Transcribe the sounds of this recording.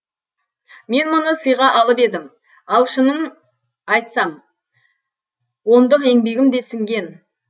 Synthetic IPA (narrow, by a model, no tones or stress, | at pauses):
me̞nmʊnəsəjʁɑʔɑlˠəpe̞d̪ɪm | ɑlˠʃənəɴ | ɑjt̪sɑm | wo̞nd̪əqe̞ŋbe̞ɡʲɪmd̪e̞sɪŋɡʲe̞n